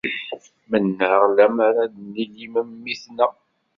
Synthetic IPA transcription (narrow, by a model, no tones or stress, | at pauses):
mənːəʁlæmaɾaniliməmːiθnæ